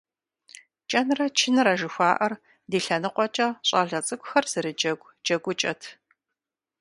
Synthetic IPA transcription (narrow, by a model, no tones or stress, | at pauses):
t͡ʃʼɐnrɐt͡ʃʰɪnɨɾaʒɨxʷaːʔɐr | diːɬɐnɨqʷɔt͡ʃʼɐɕʼɑːɮɐt͡sʼɨkʷʼʊxɐrz̥ɨɾɨd͡ʒɐɡʷ | d͡ʒɐɡʷʊt͡ʃʼɐtʰ